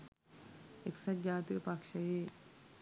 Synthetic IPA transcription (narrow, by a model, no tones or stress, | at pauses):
eksɐd͡ʒaːt̪ipakʂɐje